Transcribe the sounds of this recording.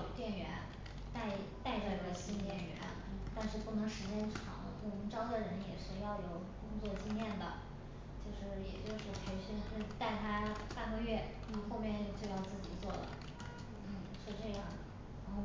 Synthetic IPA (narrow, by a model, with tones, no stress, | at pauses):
t̪jɛ˥˩nɥɛ˧˥n | t̪a˥˩ɪ | t̪a˥˧ɪʈ͡ʂə˥˩i˧˥ɡə˧ɕi˥nt̪jɛ˥˩nɥɛ̰˧˥n | t̪a˥˧nʂɻ̩˥˧pu˥˩nɤ˧˥ŋʂɻ̩˧˥t͡ɕjɛ˥nʈ͡ʂʰɑ̰˨˩˦ŋlə̰˧t̪ʰʊ˧˥˧ŋʈ͡ʂɑ˥ʊd̪ə˨ɻə˧˥njɛ˨˩ʂɻ̩˥˧jɑ˥˩ʊjo˨˧˩ʊkʊ˥ŋt͡swɔ˥˧t͡ɕi˥ŋjɛ˥˩nd̪ə̰˩ | t͡ɕjo˥˧ʊʂɻ̩˥˩jɛ̰˨˩t͡ɕjo˥˧ʊʂɻ̩˥˩t͡ɕʰɥɛ˧˥nʂə˥nʂ̩˥˧t̪a˥˩ɪt̪ʰa˥pa˥˧nɡə˥˧ɥɛ˥˩˧ | xo˥˧ʊmjɛ˥˧nt͡ɕo˥˧ʊt͡ɕjo˥˧ʊjɑ˥˧ʊt͡sɹ̩˥˩t͡ɕi˨˩t͡swɔ˥˩lə̰˩ | n̩˥˩ʂɻ̩˥˧ʈ͡ʂɤ˥˧jɑ˥˩ŋ | ɻa˧˥nxo˥˩ʊ